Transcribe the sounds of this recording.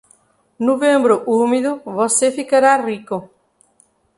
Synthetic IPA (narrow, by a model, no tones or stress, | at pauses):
nuβẽmbɾoʔumiðʊβosefikaɾariko